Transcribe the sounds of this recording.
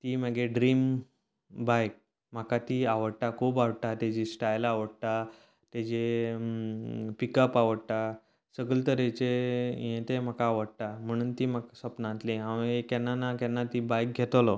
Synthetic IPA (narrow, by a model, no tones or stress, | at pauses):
t̪iːməɡeɖɾiːm | bajk̚ | m̤akat̪iaʋəɽʈ̪akʰubaʋɽʈ̪at̪ad͡ʑisʈajlaʋəɽt̪a | t̪ed͡ʑe | pikəpaʋəɽʈ̪a | səɡəlt̪əɾet͡ɕeijẽt̪em̤akaːʋəɽʈ̪am̤əɽ̃uːnt̪im̤aksəpnãt̪liaʋekɛnːanakɛnːat̪ibajk̚ɡʱet̪lɔ